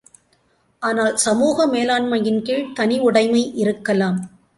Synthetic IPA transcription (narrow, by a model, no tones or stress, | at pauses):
ʔaːnaːlsɐmuːɣɐmeːlaːnmɐjɪnkɪɭt̪ɐnɪʋʊɽɐɪmɐɪʔɪɾɯkːɐlaːm